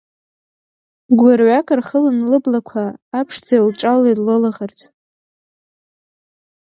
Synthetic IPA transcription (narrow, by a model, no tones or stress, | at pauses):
ɡʷarʕʷakʼarχəlanlɨblakʷʰaːpʰʂd͡zajulʈ͡ʂʼalːedlɨlaʁartʰʼ